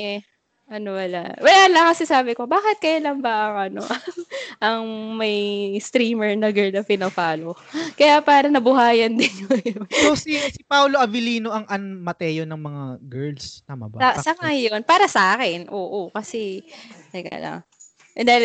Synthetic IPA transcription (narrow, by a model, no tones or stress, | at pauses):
ɛ | ʔɐnopɐlaʔwɐlaːlɐkɐsɛsaːbɪko̞baːkɪt̪̚kɐjalɐŋbɐʔɐŋʔɐno̞̰ʔɐŋʔɐŋmɐjst̪ɾiːmɛɹnɐɡɛɹnɐpɪnofaːlokɐjapaːɾɐnɐbʊɦaːjɐnd̪ɪnjosowsisipawloʔɐvɪliːnoʔɐŋʔɐnmɐt̪ɛːjonɐŋmɐŋaɡɛɹlst̪ama̰basɐsɐkajonpaːɾɐsɐʔaːkɛnʔoːʔokɐsɛɐkɐ̰lɐ̰ŋ | ʔ̪d̪a